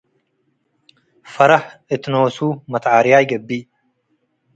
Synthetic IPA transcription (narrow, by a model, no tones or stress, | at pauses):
fɐɾɐħʔɨt̪noːsuːmɐt̪ʕaɾɪjajɡɐbːi